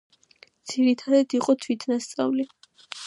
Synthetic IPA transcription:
d̪z̥iɾit̪ʰad̪ad̪iqʼɔt̪ʰwit̪ʰnast̪sʼa̰vli

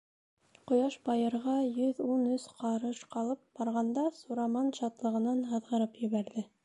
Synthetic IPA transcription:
qŏjɑʃbɑjɤ̆ɾʁɑjɵðunɵsqɑɾɤʃqɑlˠɤp̚bɑɾʁɑnd̪ɑsuɾɑmɑnʃɑt̪lˠɤ̆ʁɤ̆nɑnɦɤ̆ðʁɤ̆ɾɤpjɵ̆βæɾðɘ

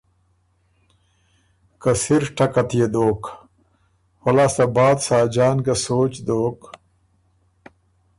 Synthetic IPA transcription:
kɐsiɾʈɐkɐt̪ijed̪oːk | wɐlaːst̪ɐbaːd̪saːd͡ʑaːnɡɐsoːt͡ɕd̪oːk

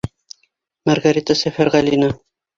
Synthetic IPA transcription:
mɑɾɡaɾʲit̪asæfæɾʁælina

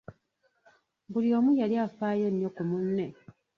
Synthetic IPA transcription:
bulio̞ːmujaliafaːjonːjokumunːe

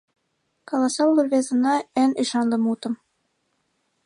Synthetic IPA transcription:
kɑlˠɑsɑwlˠɤɾvʲezɤ̆nɑɘniʃɑnlˠɤ̆mut̪ɤ̆m

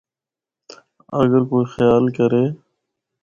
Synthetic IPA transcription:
ə̰ɡəɾkoːiːxjaːlkəɾeː

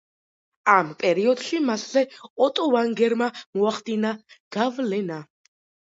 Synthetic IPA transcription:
ampʼɛɾiɔd̪ʃimaszɛɔt̪ʼɔvaŋɡɛɾmamɔaχd̪inaɡ̥avlɛna

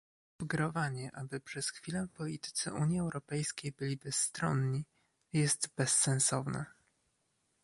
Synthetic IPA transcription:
vɡɾɔvaɲɛʔabɘpʂɛsxfʲilɛpɔlʲit̪ɘ̥t̪sɛ̰ʔuɲjiɛwɾɔpɛjskʲejbɘlʲibɛsːt̪ɾɔnɲi | jɛst̪bɛsːɛ̃nsɔvnɛ̰

